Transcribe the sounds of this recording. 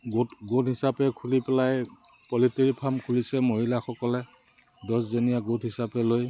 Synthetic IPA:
ɡotɡotɦisapɛkʰulipɛlaj | pɔlitiɹipʰamkʰulisɛmoɦilaxɔkɔlɛ | dɔszonijaɡotɦisapɛloj

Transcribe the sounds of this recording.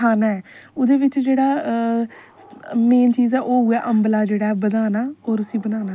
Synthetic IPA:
aːnaːɛːʊd̪eːʋɪt͡ʃd͡ʒeːɽaː | meːnt͡ʃiːzɛːʔoːɦuːɛːʔəmblaːd͡ʒeːɽaːɛːbəd̪aːnaːoːɾʊsiːbənaːnaː

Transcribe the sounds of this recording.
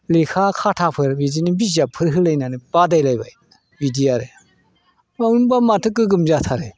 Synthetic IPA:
lekʰakʰatʰapʰɯɾbidinibizapʰɯɾɦɯlajnanib̥adajlajba̰j | bidiaɾe | maunbamatʰɯk̬ːɯɡɯmzat̪ʰaɾe

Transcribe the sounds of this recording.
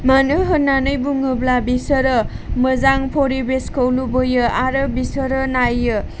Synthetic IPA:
manɯɦɯnːanɯjbuŋɯblabisəɾə | məzaŋpʰoɾibeskʰəwlubojɯaɾɯbisəɾɯnajːɯ

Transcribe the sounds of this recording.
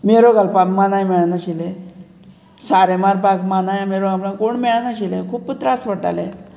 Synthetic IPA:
meɾoɡalpamanajmeɭnaɕile | saɾemaɾpakmanajameɾoɡaplãkoɳmeɭnaɕilekʰuːpːut̪ɾasʋəʈa̰le

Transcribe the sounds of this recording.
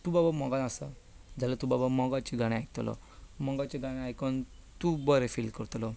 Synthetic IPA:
t̪ubabamɔɡanasa̰ | d͡zalat̪ubabamɔɡat͡ɕiɡʱaɽ̃ĩajk̚t̪lɔ̰ | mɔɡat͡ɕiɡaɽ̃iajkɔn | t̪ubəɾefilkəɾt̪lɔ

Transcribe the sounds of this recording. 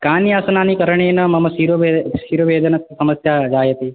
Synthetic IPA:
kaːnjasənanikəɾəɳenəmɐməsiɾoʋeʃiɾoʋeːd̪ənəksəməsjad͡ʒajət̪i

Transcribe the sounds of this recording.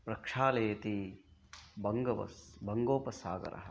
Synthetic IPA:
pɾɐkʂaːlɐjɐt̪i | bɐŋɡɐʋɐ̰sbɐŋɡoːpɐsaːɡɐ̰ɾɐ̰ɦɐ

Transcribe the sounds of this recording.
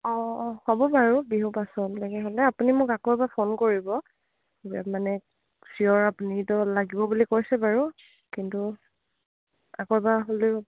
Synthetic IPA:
ɔhɔbɔbaɹubiɦupasɔmlaɡɛɦolɛapunimʊkakɔɹbapʰonkoɹibɔ | eta̰manɛ | siɔɹapunitɔlaɡibɔbulikoɹisɛbaɹu | kintu | a̰kɔɹbaɦolɛ

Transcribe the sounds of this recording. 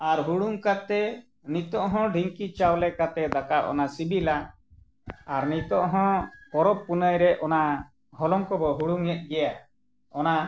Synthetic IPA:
aɾɦuɽuŋkat̪ɛ | nit̪ɔʔɦɔ̃ɖʱiŋkit͡ʃawlɛkat̪ɛd̪akaʔɔ̰nasibila | aɾnit̪ɔʔɦɔ̃kɔɾɔpːunəjɾɛʔɔna | ɦɔlɔŋkɔbɔɦuɽuŋɛt̪̚ɡɛja | ɔna

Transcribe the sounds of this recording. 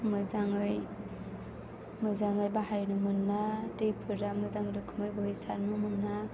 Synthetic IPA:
mɯzaŋɯj | mɯzaŋɯjbaɦajnumɯnːadejpʰɯɾamɯzaŋɾɯkʰɯmɯjbɯhɯjsaɾnumɯnːa

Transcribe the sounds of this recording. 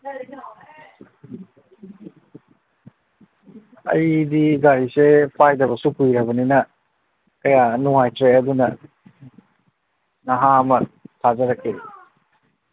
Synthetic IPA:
ɐ̰jdiɡaɾisepʰajdɐβɐsupujɾɐbɐninɐ | kɐjanuŋajtɾeɐdunɐ | nɐɦaɐmɐtʰazɐɾakʰːe

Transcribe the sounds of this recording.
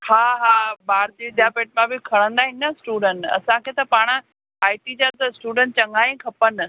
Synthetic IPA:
haːɦaːbaːɾd͡ʑ̪iɪd̪ʱjapeːʈ̚mãbɪkʰɐɽ̃ə̃nd̪aːɦɪnɐsʈuːɖə̃ɳʈɐ̰sãkʰeːt̪ɐpaːɽ̃ | aːɪʈid͡ʑat̪ɐsʈuːɖə̃ɳʈ̚t͡ɕɐ̃ŋɡaːĩkʰɐpənɪ̆

